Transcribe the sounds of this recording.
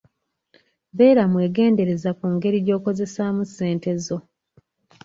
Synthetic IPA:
be̞ːɾamwe̞ːɡe̞ːnde̞ɾe̞zakuŋɡe̞ɾiɟo̞ːko̞ze̞samusːe̞ːnte̞zo̞

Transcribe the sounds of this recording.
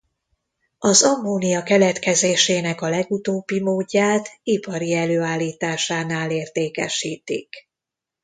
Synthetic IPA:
ɒzɒmːoːnijɒkɛlɛt̪kɛzeːʃeːnɛkɒlɛɡut̪oːbːimoːɟːaːt̪ipɒɾiɛløːaːlːiːt̪aːʃaːnaːleːrt̪eːkɛ̰ʃiːt̪ḭk

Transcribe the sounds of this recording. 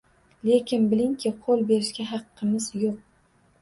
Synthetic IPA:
le̞kʲɪnbɪlɪŋkʲʰɪqʰolˠbe̞ɾɪʃkʲaɦɑqːɨmɪzjoq̚

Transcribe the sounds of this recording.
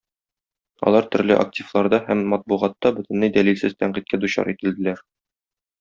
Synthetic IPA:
ɒ̰lˠɑɾt̪ɵ̆ɾlɘʔa̰k̚tʲivlˠɑɾd̪ɑhæmːɒt̪̚buʁɑt̪ːɑbɵ̆t̪ɘ̆nlɘjd̪ælilsɘzt̪æɴqit̪̚kæd̪uɕɑ̰ɾʔit̪ɘ̆ld̪ɘ̆læɾ

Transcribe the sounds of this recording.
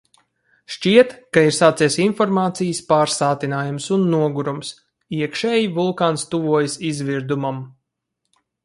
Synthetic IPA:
ʃt͡ʃiɛt̪kaiɾsaːt̪siɛsinfɔɾmaːt̪sijəspaːɾsaːt̪inaːjumsunːuɔɡuɾums | iɛkʃɛːjivulˠkaːnst̪uvuɔjəsizviɾd̪umam

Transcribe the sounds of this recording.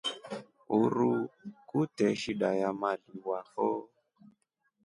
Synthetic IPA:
uɾukutɛʃiɗajamaliwahɔ

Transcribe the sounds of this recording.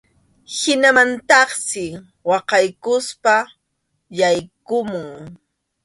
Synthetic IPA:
hɪnamant̪ɑχsɪ | wɑqɑjkʊspa | jajkʊmʊŋ

